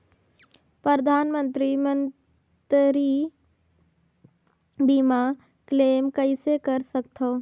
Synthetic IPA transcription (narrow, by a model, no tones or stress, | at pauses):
pɾəɾd̪ʱaːnmə̃nt̪ɾimə̃n | t̪ɾi | bima | kleːmkəɪsekəɾsəkt̪ʰoː